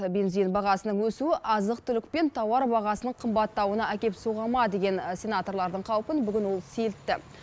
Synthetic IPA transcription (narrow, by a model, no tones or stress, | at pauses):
be̞nzijnbɑʁɑsənəɴwɵsuɪʔɑzəq̚t̪ʰʏlɪk̚ʲpe̞nt̪ʰɑwɑɾbɑʁɑsənəɴqʰəmbɑt̪ːɑwənɑækʲe̞psoʁɑmɑd̪e̞ɡʲe̞nsʲe̞nat̪o̞rlˠɑɾd̪əɴqʰɑwpənbʏɡʲɪnwo̞lˠse̞lt̪ːɪ